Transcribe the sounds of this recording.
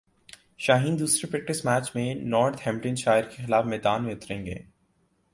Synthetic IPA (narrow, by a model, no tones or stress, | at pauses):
ʃaːɦĩːnd̪uːsɾepɾɛk̚ʈɪsmæːt͡ʃmẽnɔːɾt̪ʰhɛ̃mʈə̃nʃaːɪɾkexɪlaːfmɛːd̪aːnmẽʊt̪ɾẽːŋɡḛː